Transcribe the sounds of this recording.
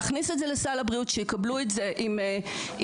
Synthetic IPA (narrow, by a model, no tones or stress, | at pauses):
χnisetzelesalabʁiutʃejikabluetze̞ʔim